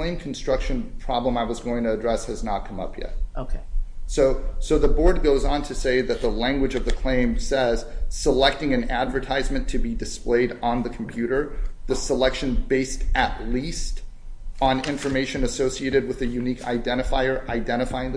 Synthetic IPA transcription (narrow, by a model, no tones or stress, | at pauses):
lẽɪ̃mkʰn̩stɹ̥ʌkʃɨ̃npʰɹ̥ɑblə̃maɪwʌzɡoʊɪ̃ŋtʰɨːdɹɛshɨznət̚kʰʌ̃mʌ̰pʰjɛ̰t̚ʔoʊkʰeɪsoʊsoʊðəbɔɹd̚ɡoʊzn̩tʰɨseɪðɨt̪̚ðəlæ̃ŋɡwɨd͡ʒʌvðɨkʰl̥ẽɪ̃msɛz̥səlɛk̚tɪ̃ŋɨ̃nædvə˞tʰaɪzmɨ̃ntʰɨbidɨspleɪɾ̃n̩ðɨkʰm̩pʰj̥ʉɾə˞ðɨsəlɛkʃɨ̃nbeɪstɨtˡlist | ə̃n̩ɪ̃ɱfə˞meɪʃɨ̃nɨsoʊsieɪɾɨd̚wɨðɨjʉnikʰa̰ɪdɛ̃ɾ̃ɨfaɪə˞ʔaɪdɛ̃ɾ̃ɨfaɪɪ̃ŋð